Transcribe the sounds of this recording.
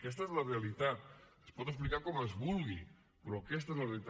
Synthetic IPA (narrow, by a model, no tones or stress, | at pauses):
kɛst̪aezlərealit̪at̪̚əspɔt̪̬əsplikaɾkɔmezβulˠɣi | pɾoakɛst̪aezlərelit̪